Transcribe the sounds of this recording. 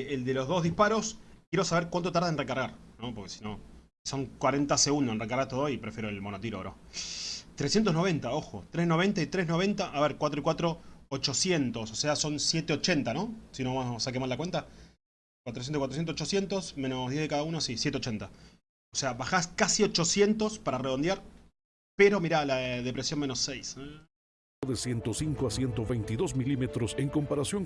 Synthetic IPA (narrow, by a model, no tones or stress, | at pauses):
eld̪e̞lo̞zðo̞zðihpaɾo̞skje̞ɾo̞saβeɾkwant̪o̞t̪aɾð̞enrekaɾɣaɾ | no̞po̞ɾkesi̥no̞ | so̞ŋkwaɾe̞nt̪aseɣund̪oenrekaɾɣat̪oðojipɾefjeɾoelmo̞not̪iɾo̰ɾo̰ | t̪ɾesje̞nt̪̬onoe̞nt̪ao̞xo̰t̪ɾesno̞βe̞nt̪ait̪ɾe̞ɦnoβent̪aʔaβeɾkwat̪ɾoikwat̪ɾo̞ːt͡ʃo̞sje̞nt̪ososeaso̞nsje̞t̪eo̞t͡ʃe̞nt̪ano̞sinoasak̬emaslakwe̞nt̪a | kwat̪ɾos̬jenokwat̪ɾosjensot͡ʃosjent̪o̞smẽ̞no̞zðjeðekaðauno̞sisjet̪eo̞t͡ʃe̞nt̪a | oseaβaxaskasio̞t͡ʃo̞sje̞nt̪o̞spaɾareðo̞nd̪jaɾ | peɾo̞miɾalaðe̞pɾesjo̞nme̞no̞sːejs | ðesjent̪o̞siŋkoasjent̪o̞βejnt̪iðo̞smilimet̪ɾoseŋko̞mpaɾasjo̞ŋ